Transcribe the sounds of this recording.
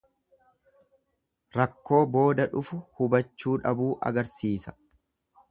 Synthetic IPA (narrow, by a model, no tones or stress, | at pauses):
ɾɐkːo̞ːbo̞ːd̪ɐᶑʊfʊhʊbɐt͡ʃːuːᶑɐbuːʔɐ̰ɡɐɾsiːsɐ̥